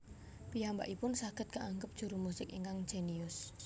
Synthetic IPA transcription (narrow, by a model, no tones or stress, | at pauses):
pijamba̰ʔipʊnsaɡ̥ə̤t̪̚kaʔaŋɡəp̚d̥ʒ̥ṳɾumusɪkiŋkaŋ̥d͡ʒ̥eniʊs